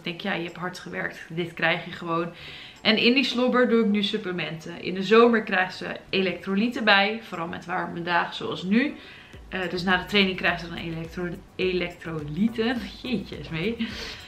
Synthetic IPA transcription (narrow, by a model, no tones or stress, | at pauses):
dɛŋkja̰ːjəɦɛpɦɑɹtχəʋɛ̰ɹk̚tdɪtkrɛjχjəχəʋown | ʔɛnɪndislobəɹduɪknysɵpləmɛntəʔɪ̰ndəzowməɹkrɛjχtz̥ə̰elɛk̚trolitəbɛjfoɾɑlˠmɛ̰tʋaːɹməndaːχso̰ɑ̰lˠsny | døsnaːdətrejnɪŋkrɛjχzədɑnḛto | elɛk̚trolitənjecə̰smej